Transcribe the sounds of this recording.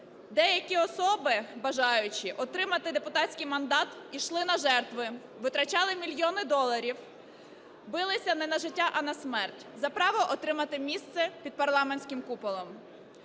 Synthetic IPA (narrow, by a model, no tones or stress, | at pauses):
d̪ɛjɐkʲiɔsɔbɪbɐʒɑjʊt͡ʃɪʔɔt̪ɾɪmɐt̪ɪd̪epʊt̪ɑtʲsʲkijmɐnd̪ɑt̪iʃlˠɪnɐʒɛrt̪ʋɪ | ʋɪt̪ɾɐt͡ʃɑlˠɪmʲilʲjɔnɪd̪ɔlˠɐɾʲiw | bɪlˠɪsʲɐnɛnɐʒɪtʲːaʔɐnɐsmɛrtʲzɐpɾɑʋɔʔɔt̪ɾɪmɐt̪ɪmʲist̪sɛpʲid̪̚pɐrlˠɑmenʲsʲkɪmkupɔlˠɔm